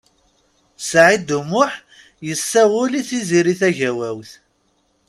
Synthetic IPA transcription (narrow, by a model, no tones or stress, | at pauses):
sʕid̪umʊħ | jəsːæwʊliθiziɾiθæʝæwæwθ